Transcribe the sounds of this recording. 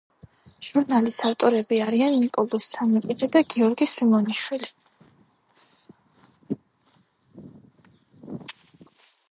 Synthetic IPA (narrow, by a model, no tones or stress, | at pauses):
ʒ̥uɾnalisaɾt̪ʼɔɾɛbiaɾianːikʼɔlˠɔist̪ʰanmipʼid̪zɛd̪aɡiɔɾɡisimɔniʃwili